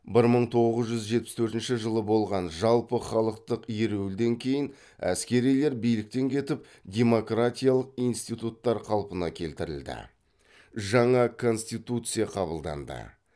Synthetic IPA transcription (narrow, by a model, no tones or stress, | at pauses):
bɪɾməɴt̪ʰo̞ʁʁəzʒʏzʒe̞t̪pɪ̥st̪ʰɵɾt̪ɪnʃɪʒəlˠəbo̞lˠʁɑnʒɑlˠpəχɑlˠəqt̪əqje̞ɾewɪld̪e̞ŋkʲʰe̞jɪn | æ̰skʲe̞ɾijle̞ɾbijlɪk̚t̪e̞ŋkʲʰe̞t̪ɪp | d̪ʲe̞mo̞krat̪ʲijalˠəq̚inst̪it̪ut̪ːɑɾqʰɑlˠpənɑkʲʰe̞lt̪ɪɾɪ̰ld̪ɪ̰ | ʒɑɴɑkʰo̞nst̪ijt̪ut̪sɨjaqʰɑβəlˠd̪ɑ̰nd̪ə̰